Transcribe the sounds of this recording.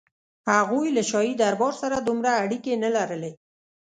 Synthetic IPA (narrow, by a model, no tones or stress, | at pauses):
haɣujlaʃɑjid̪aɾbɑɾsaɾad̪umɾaːɽikenalaɾəle